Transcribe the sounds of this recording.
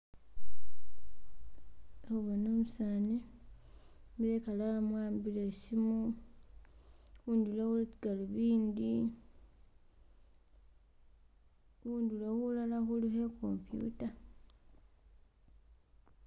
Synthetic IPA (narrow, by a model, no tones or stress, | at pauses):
uβanoːmusaːni | miɾekalamwaːmbilesimu | wundulawulit͡ʃiɡaluβiːndi | wuːndulawulalaxuluheko̰mpjṵta